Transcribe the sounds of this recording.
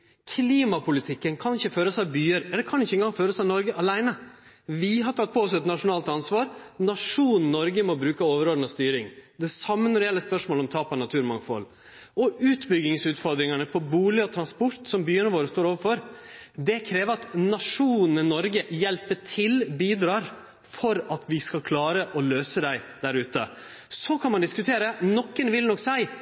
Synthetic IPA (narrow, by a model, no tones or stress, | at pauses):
kʰliːmɑpʰʊlɪt̪ʰɪkːənkʰɑnɪçːəføːɾəsɑʋbyːəɾɛlːəkʰɑnɪçəɛɪŋɡɑŋføːɾəsɑʋnɔɾɡəʔɑlæɪnə | ʋɪɦɑʈʰɑt̪̚ːpʰɔɔsɛt̪nɑʂʊnɑːlt̪ɑnsʋɑːɾnɑʂuːnn̩nɔɾɡəmɔbɾʉːkəoːʋəɾoːd̪n̩ɔst̪yːɾɪ̰ŋd̪ɛsɑmːənɔɾɛjɛlːəspœʂmoːlɔmt̪ʰɑːpɑnɑt̪ʰʉːɾmɑŋfɔ̰l | ɔʉːt̪bʏɡɪŋsʉːt̪fɔɾd̪ɾɪŋɑnəpʰɔbuːlɪɔt̪ʰɾɑnspɔɾt̪sɔmbyːənəʋoːɾəst̪oːɾoːʋəɾfɔɾd̪ɛkʰɾeːʋəɾɑt̪nɑʂuːnnənɔɾɡəjɛlpəʈʰɪlbiːd̪ɾɑːɾ | fɔɾɑt̪ʰʋɪskɑkʰlɑːɾəʔɔløːsəd̪æɪd̪̥æɾʉːt̪ə̰ | sɔkʰɑnmɑnd̪ɪskʉt̪ʰeːɾənɔkːənʋɪlnɔkːsæɪ